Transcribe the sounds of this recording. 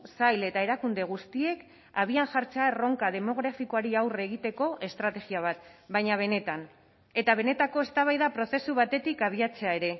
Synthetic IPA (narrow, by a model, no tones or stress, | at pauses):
sajle̞t̪ae̞ɾakund̪e̞ɣ̞ust̪ie̞k | aβianʝaɾt͡searo̞ŋkað̞e̞mo̞ɣ̞ɾafikoaɾiawre̞ɣ̞it̪e̞ko̞ʔe̞st̪ɾat̪e̞ɣiaβ̞at̪βajɲaβ̞e̞ne̞t̪an | e̞t̪aβ̞e̞ne̞t̪ako̞e̞st̪aβ̞ajðapɾo̞θe̞suβ̞at̪e̞t̪ikaβ̞iat͡se̞ae̞ɾe̞